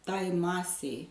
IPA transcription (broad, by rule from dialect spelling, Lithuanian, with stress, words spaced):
ˈtɐɪ ˈmɑːsʲɛɪ